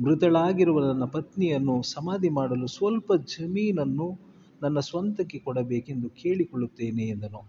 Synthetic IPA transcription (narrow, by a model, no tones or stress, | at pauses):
mɾut̪ɐɭaːɡiɾuʋɐnɐnːɐpɐt̪nijɐnːusɐmaːd̪ʱimaːɽɐlusʋɐlpɐd͡ʒɐmiːnɐnːu | nɐnːɐsʋɐnt̪ɐkːekɔɽɐbeːke̞nd̪uke̞ːɭikɔɭut̪ːeːneːnd̪ɐnu